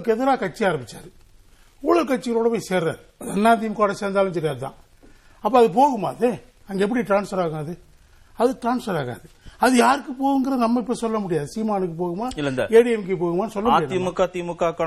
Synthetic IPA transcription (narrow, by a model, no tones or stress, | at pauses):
kːɯɛðɯɾaːkɐʈ̚t͡ʃːiaːɾɐmbɪt͡ʃːa̰ːɾɯ | ʊɭɐlkɐʈ̚t͡ʃːɪɣɐloːɽɐpɐːjseːɾa̰ːɾ | ɐðɐnːaːt̪̬ijɐmkoːɽɐseːɾnd̪aːlɯmsɔɾɪaːɾɯt̪ã̰ː | ɐpːoːɐðɯp̬oːɣɯma̰ːðe | ɐŋɡeɛp̬ːɐɽiʈɾaːnsfɐɾaːɣaːðɯ | ɐðɯʈɾaːnsfɐɾaːɣa̰ːðɯɐðɯjaːɾɯkːɯpoːɣɯŋɡɐɾɐðnɐmːɐɪp̬ːɐisɔlːɐmʊɽɪjaːðɯsiːmaːnɯkːɯpoːɣɯmaːɪlːɐnd̪ɐ̰eːɽɪɛmkːepoːɣɯmaːnɯsɔlːɐmːɽɪaːðimɯkːaːt̪imɯkːaːkːɐ